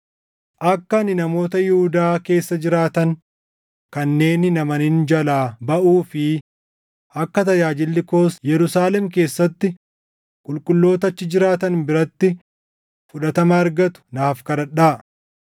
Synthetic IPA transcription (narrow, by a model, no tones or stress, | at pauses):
ʔɐkːɐnɪnɐmo̞ːt̪ɐjʊhʊd̪aːke̞ːsːɐd͡ʒɪɾaːt̪ɐŋ | kɐnːe̞ːnɪnɐmɐnɪnd͡ʒɐlaːbɐʔuːfɪ | ʔɐkːɐt̪ɐjaːd͡ʒɪlːɪko̞ːsjɛɾʊsaːlɛmk̬e̞ːsːɐt̪ːɪ | kʼʊlkʼʊlːo̞ːt̪ɐt͡ʃːɪd͡ʒɪɾaːt̪ɐnbɪɾɐt̪ːɪ | fʊᶑɐt̪ɐmɐːɾɡɐt̪ʊ̥naːfkɐɾɐᶑaː